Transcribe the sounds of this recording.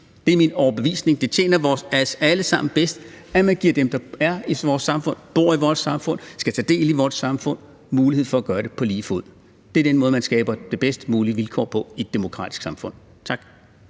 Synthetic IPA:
d̥e̝æɐminɒʊɐb̥e̝ʋḭːsne̝ŋd̥e̝t͡ɕʰjḛːnɐʋɒːsæsæləsɑ̈m̰n̩b̥esd̥æmænɡ̥iɐ̰d̥emd̥ɑ̈æɐiʋɒːsɑ̈mfɔ̽n̰b̥o̝ɐ̰iʋɒːsɑ̈mfɔ̽n̰sɡ̥æt͡sʰɛ̰ːd̥e̝̰ːliʋɒːdsɑ̈mfɔ̽n̰ | muːlihe̝ð̰ˠfɒ̽æɡ̥ɶːɐɾ̥e̝pʰɒ̽liːfoð̰ˠ | d̥e̝æɐd̥enmɔðˠmænsɡ̥ɛːb̥ɐd̥e̝b̥esd̥əmuːliəʋilkʰɒ̰ːpʰɒ̽id̥ːe̝mo̝kʰʁɑ̰̈ːd̥i̥sɡ̥sɑ̈mfɔ̽n̰ | t͡sʰɑ̈ɡ̥

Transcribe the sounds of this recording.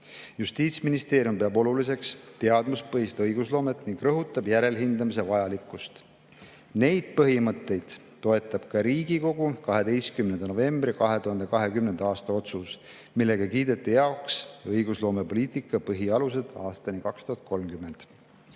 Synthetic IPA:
just̪iːt̪sminist̪e̞ːɾjumpeɑbo̞lulis̬e̞kst̪e̞ɑd̪muspɤhist̪ɑɤjɡ̥uslo̞ːme̞t̪ˑniŋɡ̥rɤɦut̪ːˑɑb̥jæɾe̞lɦind̪ɑmis̬evɑjɑlikːˑust̪ | ne̞jd̪̥̚pɤɦimɤt̪ːe̞jd̪̥ːo̞e̞t̪ːˑɑb̥̚kɑɾiːɡiko̞ɡukɑɦe̞d̪e̞jskymnend̪ɑno̞ve̞mbrikɑɦe̞t̪uhɑnd̪e̞kɑɦe̞kymne̞nd̪̥ɑɑːst̪ɑo̞t̪sus | milːe̞ɡ̥ɑkiːd̪e̞t̪ːˑijɑoksɤjɡ̥uslo̞ːmepo̞liːt̪ˑikːˑɑpɤɦiɑlus̬e̞d̪̥ɑ̰ːst̪ɑnikɑkst̪uhɑt̪̚ko̞lmkymːe̞nd̪̥

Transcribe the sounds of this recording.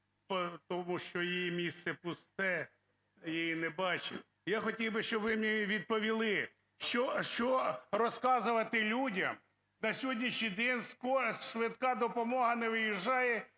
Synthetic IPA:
pɔt̪ɔmuʃt͡ʃɔjijimʲist̪sɛpʊst̪ɛ | jijinɛbɑt͡ʃɪ̰tʲ | jaxɔtʲiwbɪʃt͡ʃɔbʋɪmnʲiʋʲid̪̚pɔʋʲilˠɪ | ʃt͡ʃɔʃt͡ʃɔrɔskɑzʊʋɐt̪ɪlʲudʲɐm | nɐsʲɦɔdʲnʲiʃnʲijd̪ɛnʲskɔʃʋɪt̪kɑd̪ɔpɔmɔɦɐnɛʋɪjiʒːɑjɛ

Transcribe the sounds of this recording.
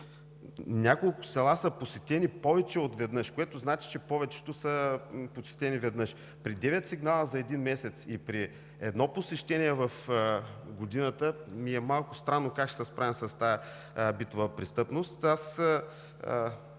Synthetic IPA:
nʲakolˠkʊ̥sɛlˠasɐposɛt̪ɛnipɔvɛt͡ʃɛot̪vɛd̪nɤʃkoɛt̪oznat͡ʃi̥t͡ʃɛpɔvɛt͡ʃɛ̥t̪ʊsəposɛ̥t̪ɛnivɛd̪nɤʃ | pɾid̪ɛvɛt̪ʲsiɡnalˠəzɐɛd̪inmɛsɛt̪sipɾi | ɛd̪nɔposɛʃt̪ɛniɛvəf | ɡod̪inət̪əmiɛmalˠkʊst̪ɾanːokakʃɛ̥sɛspɾʔavɛnsɐst̪ajɐ | bit̪ovəpɾist̪ɤpnost̪as

